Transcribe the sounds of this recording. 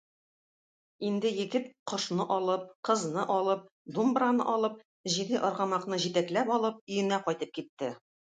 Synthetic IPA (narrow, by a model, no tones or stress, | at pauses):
ind̪ɘjɘ̆ɡɘt̪̚qŏʃnɤʔɒlˠɤp̚qɤ̆znɤʔɒlˠɤp̚ | d̪umbranɤ̰ʔɒlˠɤp̚ | ʑid̪ɘʔɒɾʁɑmɑqnɤʑit̪æklæpɒlˠɤp̚ɵ̆jɘ̆næqɒjt̪ɤp̚kit̪ːɘ